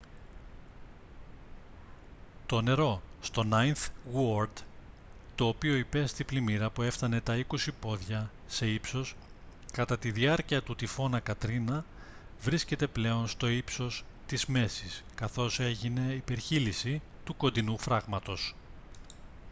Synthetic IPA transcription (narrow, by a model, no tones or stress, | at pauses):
t̪o̞ne̞ɾo̞st̪o̞nɐjnθwoɾd̪ | t̪o̞ːpio̞ipe̞st̪iblimiɾɐpue̞fθt̪ɐne̞t̪ɐiko̞sipo̞ðʝɐ | se̞ipso̞s | kɐt̪ɐt̪iðiɐɾciɐt̪ut̪ifo̞nɐkɐt̪ɾinɐ | vɾisce̞t̪e̞ple̞o̞nst̪o̞ipso̞s | t̪izme̞siskɐθo̞se̞ʝine̞ipe̞ɾçilisi | t̪uko̞nd̪inufɾɐɣmɐt̪o̞s